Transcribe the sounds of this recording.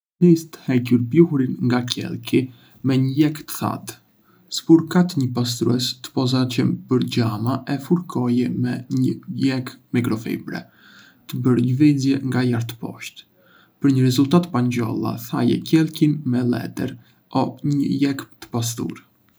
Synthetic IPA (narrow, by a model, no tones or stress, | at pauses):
mist̪ə̥hɛcuɾpjuhuɾinŋɡacʰɛ̰lˠki | mɛɲəjɛkt̪ə̥θa̰t̪ | sə̥puɾkat̪ɲəpas̬t̪ɾuɛst̪ə̥pɔzat͡ɕəmpəɾd͡ʑamaʔɛfuɾkʰɔjɛmɛɲəjɛkmikɾɔfḭbɾɛ̰ | t̪əbəɾɲəvizjɛŋɡajaɾt̪ə̥pɔ̰ʃt̪ | pəɾɲəɾɛzult̪at̪paɲd͡ʑɔ̰lˠa̰θa̰jɛ̰cɛlˠkinmɛlɛ̰t̪ɛ̰ɾ | ɔɲə̰jɛkpt̪ə̥pas̬t̪ṵɾ